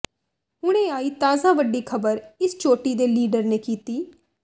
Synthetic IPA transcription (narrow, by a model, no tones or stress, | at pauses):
ɦʊɽ̃ẽːaːiːt̪aːzãːʋəɖːiːkʰəbəɾɪst͡ʃoːʈiːd̪eːliːɖəɾneːkiːt̪iː